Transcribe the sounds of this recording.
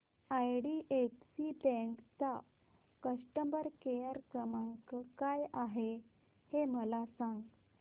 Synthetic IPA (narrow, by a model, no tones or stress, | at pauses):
ajɽiʔefsibẽŋkt͡sa | kəsʈəmbəɾkejəɾkəmaŋkəkajaɦe | heməlasãŋɡ